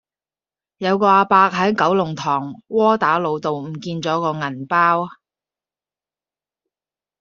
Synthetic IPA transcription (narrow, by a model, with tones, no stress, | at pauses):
jɐ˨˧wkɔː˧aː˧paː˧k̚ɦɐ˨˥jkɐ˨˥wlʊ˨˩ŋt̪ʰɔː˨˩ŋwɔː˥t̪aː˨˥lo˨˧wt̪o˨wm̩ː˨˩kiː˧nt͡sɔː˨˥kɔː˧ŋɐ˨˩npaː˥w